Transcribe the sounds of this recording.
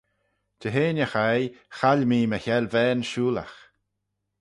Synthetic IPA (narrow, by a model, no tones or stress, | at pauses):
d̥əɦeːnʲəxajxalʲmiːməçɛlvɛːnʃuːla̰x